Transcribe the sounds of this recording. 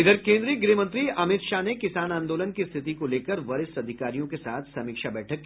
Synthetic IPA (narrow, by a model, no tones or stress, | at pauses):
ɪd̪əɾkẽːnd̪ɾiɡɾiːmə̃nt̪ɾiɐmɪt̪ʃanekɪsaːnãːnd̪oːlənkist̪ʰɪt̪ikoleːkəɾʋɐɾɪsɐd̪ʱɪkaːɾijõkesaːt̪ʰsɐmɪːkʃabɛːʈʰəkː